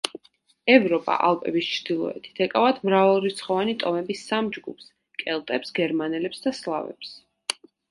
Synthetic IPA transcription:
ɛvɾɔpʼa̰ʔalˠpʼɛ̰bist͡ʃʰɾd̪ilˠɔ̰ɛ̰t̪ʰi̥t̪ʰɛkʼavat̪ʰmɾavalˠɾit̪sʰχɔvanit̪ʼɔmɛbisamd͡ʒɡṵpʰs | kʼɛlˠt̪ʼɛpsɡɛɾmanɛlɛpsd̪aslˠavɛ̰ps

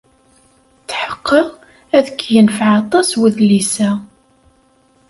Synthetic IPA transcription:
θħə̥qːəʁ | æðəkːjənfəʕɑt̪ˤɑswəðlisæ

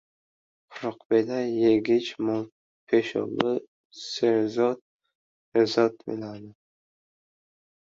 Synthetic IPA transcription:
qʰʊɾɒqbelajeɡʲɪt͡ʃmɒl | pʰeʃɒ̰bɪ | seɾzɒt̪̚ | ezɒt̪bḛlad̪ɪ

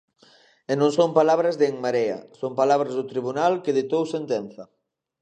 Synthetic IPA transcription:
enõŋsompalaβɾazðeeŋmaɾea̰sompalaβɾazðʊt̪ɾiβ̞unalkeðet̪owsent̪ɛn̟θɐ

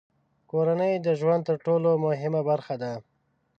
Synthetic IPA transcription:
koɾanəjd̪əʒwand̪̚t̪əɾʈolomʊɦɪmabaɾxad̪a

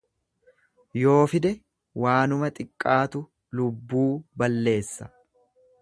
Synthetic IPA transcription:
jo̞ːfɪd̪ɛ | waːnʊmɐt̪ʼɪkʼːaːt̪ʊ | lʊbːuːbɐlːe̞ːsːɐ

